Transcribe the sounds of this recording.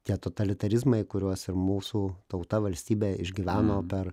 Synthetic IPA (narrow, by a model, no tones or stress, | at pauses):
t̪ʲiɛt̪oːt̪ɐlʲɪt̪ɐɾʲɪzmɐɪkʊɾʲuɔsɪɾmuːsuːt̪ɐʊt̪ɐʋɐlʲsʲt̪ʲiːbʲeːɪʒʲɡʲiːʋʲæːnoːpʲɛɾ